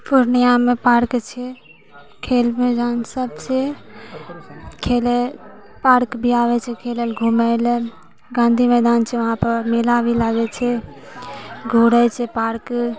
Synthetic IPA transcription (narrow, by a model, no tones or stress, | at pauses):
pʰuɾnijamepaɾkt͡ʃʰɛ | kʰelmed͡ʒansəbt͡ʃʰɛ | kʰele | paɾkbʱiaʋɛt͡ʃʰɛkʰelelɡʱuməl | ɡãːnd̪ʱimed̪ant͡ʃʰɛʋəɦãpəɾmelabʱilaɡɛt͡ʃʰɛ | ɡʱuɽɛt͡ʃʰɛpaɾk